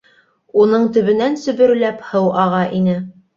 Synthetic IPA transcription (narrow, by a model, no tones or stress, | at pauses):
unɤɴt̪ɵ̆βɘ̆nænsɵ̆βɵ̆ɾlæphɤwʔɑʁɑʔinɘ